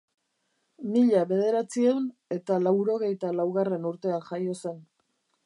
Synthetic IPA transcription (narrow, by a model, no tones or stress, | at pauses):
miʎaβe̞ð̞e̞ɾat͡siewne̞t̪alawɾo̞ɣ̞e̞jt̪alawɣare̞nuɾt̪e̞anʝajo̞se̞n